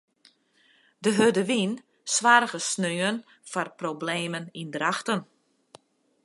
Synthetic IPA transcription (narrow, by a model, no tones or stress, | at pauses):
dəɦødəʋin | sʋarɣəsnøːən | farprobleːmənindraxtən